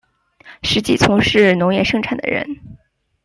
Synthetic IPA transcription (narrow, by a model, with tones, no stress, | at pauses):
ʂɻ̩˧˥t͡ɕi˥˩t͡sʰʊ˧˥ŋʂɻ̩˥˩nʊ˧˥ŋjɛ˥˩ʂɤ˥ŋʈ͡ʂʰa˨˩nd̪ə̰˩ɻə̰˧˥n